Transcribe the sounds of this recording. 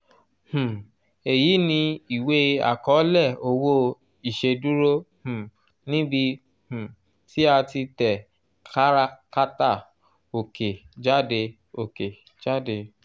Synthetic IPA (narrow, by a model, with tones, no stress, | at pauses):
h̩˨ | e˨ji˨˦nĩ˧i˨we˨˦a̰˨kɔ˨˦lɛ˦˨o˧wo˦ | i˨ʃe˧du˦ɾo˦h̩˨ | nĩ˦bi˧ | h̩˨ | ti˦a˧ti˧tɛ˨ | ka˦ɾa˦ka˦ta˦˨ | o˨ke˨d͡ʒa˦de˧ | o˨ke˨ | d͡ʒa˦de˧